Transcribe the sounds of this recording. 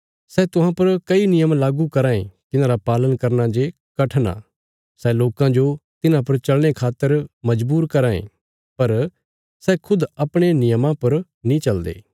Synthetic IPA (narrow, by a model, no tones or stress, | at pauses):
sɛt̪ʊɦãpɐɾkɐinɪjəmlaːɡukɐɾãːḛ̃t̪ɪnãːɾapaːlənkɐɾnad͡ʒe | kɐʈʰna̰ | sɛloːkãd͡ʒot̪ɪnãpɐɾt͡ʃɐlɽ̃ekʰaːt̪ːəɾmɐd͡ʒbuːɾkɐɾãːḛ̃ː | pɐɾ | sɛkʰʊd̪ɐpɽ̃enɪjəmãpɐɾ | nĩt͡ʃɐld̪ḛː